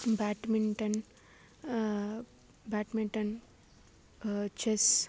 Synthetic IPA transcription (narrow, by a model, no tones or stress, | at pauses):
baːʈmiɳʈɐn | baːʈmiɳʈɐn | t͡ʃes